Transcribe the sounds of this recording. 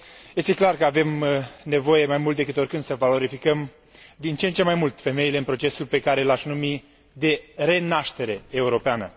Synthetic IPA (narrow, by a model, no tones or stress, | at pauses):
je̞st̪e̞klarkəave̞mne̞vo̞je̞majmult̪̚d̪ekɨt̪o̞rkɨnd̪səvalo̞ɾifikəm | d̪int͡ʃent͡ʃe̞majmult̪fe̞me̞ile̞ɨnpɾo̞t͡ʃe̞sulpe̞kaɾe̞ɨlaʃnumi | d̪e̞ɾe̞naʃt̪e̞ɾe̞ːuɾo̞peanə